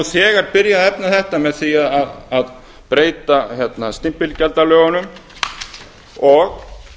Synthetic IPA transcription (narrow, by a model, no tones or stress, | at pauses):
θɛːɣaɾpɪɾjaðɛpnaθɛht̪amɛðθiaðaðað | pɾeːjt̪açjɛt̪nast̪ɪm̥pɪlcɛlt̪alœːɣanʏm | ɔɣ